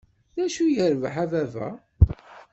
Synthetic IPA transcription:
ðæʃujəɾvħavævæ̰

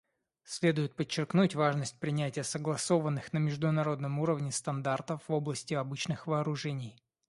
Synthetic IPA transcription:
sʲlʲe̞d̪ʊjɪt̪̚pət͡ɕːɪrknutʲvaʐnəsʲt̚ʲpɾʲɪnʲætʲɪjəsəɡlˠɐso̞vənːɨxnəmʲɪʐd̪ʊnɐɾo̞d̪̚nəmuɾəvnʲɪst̪ɐnd̪art̪əfvoblˠəsʲtʲɪɐbɨt͡ɕnɨxvɐːɾʊʐɛnʲɪj

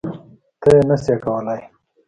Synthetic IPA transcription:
t̪əjenasjakawəlaj

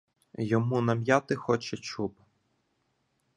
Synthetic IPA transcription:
jɔmunɐmʲjat̪ɪxɔt͡ʃɛt͡ʃub

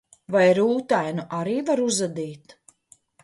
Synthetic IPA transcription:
vajɾuːt̪ajnuʔaɾiːvaɾuzad̪iːt̪

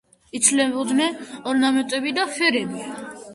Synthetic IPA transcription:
it̪sʰlɛbɔd̪nɛnɔɾnamɛnt̪ʼɛbid̪afɛɾɛbi

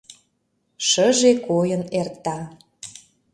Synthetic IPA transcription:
ʃəʒekojənert̪ɑ

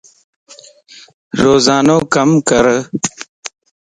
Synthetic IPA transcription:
ɾoːzɑːnoːkɐmkəɾ

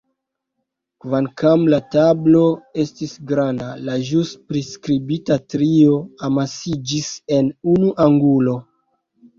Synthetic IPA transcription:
kvaŋkamlatablo̞e̞stisɡɾandalaʒuspɾiskɾibitatɾio̞amasid͡ʒise̞nunuʔaŋɡulo̞

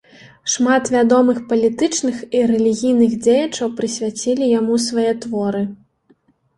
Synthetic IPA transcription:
ʂmat̪vʲad̪ɔmɨxpɐlʲit̪ɨt͡ʂnɨxiɾɛlʲiɣʲijnɨɣd͡zʲejɐt͡ʂɐwpɾɨsʲvʲat͡sʲilʲijamusvajɛt̪vɔɾɨ

